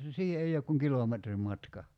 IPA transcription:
siːhe ei ok kuŋ kilometrim mɑtkɑ

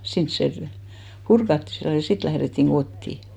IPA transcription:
sins se pŭ purkɑtːi silːo jɑ sit læhretːiŋ ɡ̊otːiˑ

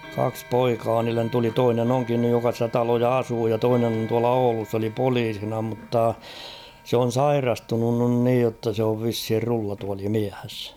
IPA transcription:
kɑks poikɑː niːlːen tuli toinen oŋkin nyj jokɑ stæ tɑlojɑ ɑsuː jɑ toinen on tuɑlɑ oulus s oli poliːsinɑ mutːɑ se on̞ sɑirɑstunun nyn niːj jotːɑ se oʋ ʋishir rulːɑtuɑlimiæs

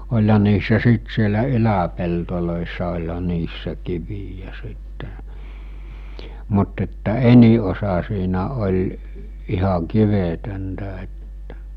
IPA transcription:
olʲhɑ niːsːæ siːt sielæ ylæpeltoloˑisːɑ olʲhɑ niːsːæ kiʋijæ sitːe mut etːæ eni osɑ siːnæ olʲ ihɑ kiʋetøntæ etːæ̥

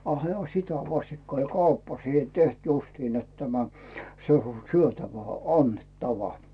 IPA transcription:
ɑ hĕæ sitæ ʋɑstikːɑ olʲ kɑupːɑ siːhe teht justin net tæmæ se o syøtæʋæ ɑnːetːɑʋɑ

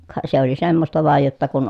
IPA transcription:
kɑ se oli semːostɑ ʋɑˑej jotːɑ kun

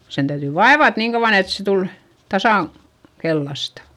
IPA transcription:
sen tæytyˑ ʋɑeʋɑt niːŋ kɑuʋ̆ɑn et se tul tɑsɑˑŋ kelːɑstɑ

